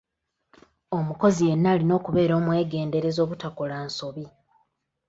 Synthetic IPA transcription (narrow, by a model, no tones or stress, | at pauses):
o̞muko̞zije̞nːaːlino̞ːkuβe̞ːɾo̞ːmwe̞ːɡe̞ːnde̞ɾe̞zo̞ːβutakolaːnso̞βi